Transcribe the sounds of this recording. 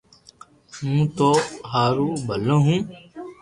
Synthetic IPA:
mũːt̪oːɦaːɾuːbʱəlõːɦũː

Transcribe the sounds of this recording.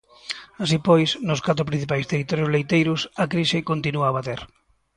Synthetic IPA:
asipɔjsnʊskat̪ɾʊpɾĩn̟θipajst̪erit̪ɔɾjʊzlejt̪ejɾʊsakɾisekont̪inuaːβat̪eɾ

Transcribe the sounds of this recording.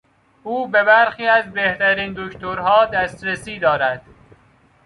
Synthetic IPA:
ʔuːbe̞bæɾxiːæzbeht̪æɾiːnd̪oct̪oɾɦɒːd̪æst̪ɾesiːd̪ɒːɾæd̪̥

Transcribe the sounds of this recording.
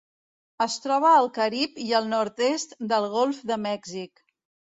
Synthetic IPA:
əst̪ɾɔβ̞əːlˠkəɾipiəlˠnɔɾt̪est̪d̪əlˠɣolˠfd̪əmɛɡzik

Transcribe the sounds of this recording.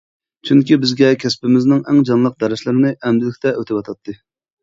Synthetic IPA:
t͡ʃʰyŋkʲibɪzɡʲɛkʲʰɛspɪmɪznɪŋɛŋd͡ʒɑnlˠəq̚d̪ɛɾɪʃlɪɾɪnɪʔɛmd̪ɪlɪkʲt̪ʰɛʔøt̪ʰɪpwɑt̪ʰɑt̪ʰːɨ

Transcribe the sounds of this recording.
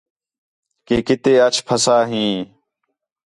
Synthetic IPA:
keːkɪt̪eːət͡ʃʰpʰəsaːɦĩː

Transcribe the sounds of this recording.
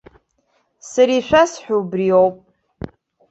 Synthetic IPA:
sɨɾiʃʷasħʷᶣuwbriowpʼ

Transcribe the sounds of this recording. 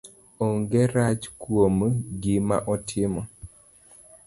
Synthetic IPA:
ɔŋɡɛɾat͡ʃkwomɡima̰ʔɔtʰɪmɔ

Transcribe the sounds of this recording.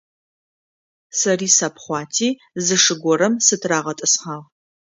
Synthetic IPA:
sɐriːsapʰχʷɑːtʰiː | zɨʂɨɡʷɔɾɐmsɨtʰraːʁɐtʼɨsχaːʁ

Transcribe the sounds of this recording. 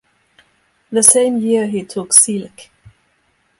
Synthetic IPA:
ðəsẽɪ̃mjɪɹɦitʰʊksɪlk

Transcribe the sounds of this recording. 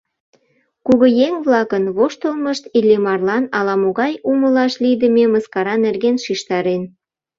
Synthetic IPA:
kuɣəjeŋβlɑkənβoʃt̪əlməʃt̪ilʲemɑrlɑnɑlɑmoɣɑjuməlɑʃlid̪əmʲeməskɑɾɑnerɣenʃiʃt̪ɑɾen

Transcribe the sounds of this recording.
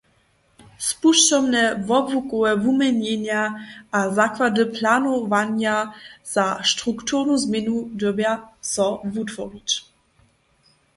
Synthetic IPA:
spuʃtɔbnɛvɔbvukuɛvumɛɲɛɲjaʔazakvadɨpʰlaːnɔvaɲjaz̥aʃtʁukt̪uʁnuzmjɛnud̪ɔbjasɔvutvɔrit͡ɕ

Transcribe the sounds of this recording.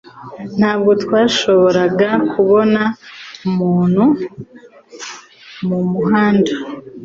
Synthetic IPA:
n̥haːb̚ɡo̞twaːʃo̞βo̞ɾaɡakʰuβo̞naumuːn̥hu | mumuɦaːndḁ

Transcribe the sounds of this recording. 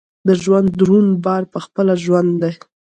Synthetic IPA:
d̪əʒwand̪ɾunbɑɾpəxpəlaʒwand̪ːaj

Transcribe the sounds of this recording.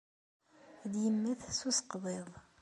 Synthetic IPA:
d̪jəmːæθsusə̥qðˤeðˤ

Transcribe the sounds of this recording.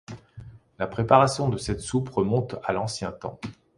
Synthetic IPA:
lapχepaʁasjɔ̃d̪əsɛt̪supʁəmɔ̃t̪alɑ̃sjɛ̃t̪ɑ̰̃

